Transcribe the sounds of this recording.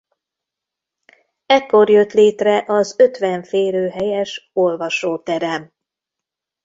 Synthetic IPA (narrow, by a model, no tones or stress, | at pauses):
ɛkːo̞rjø̞t̪leːt̪rɛʔɒzø̞t̪ʋɛɱfeːɾøːɦɛjɛʃo̞lvɒʃoːt̪ɛɾɛm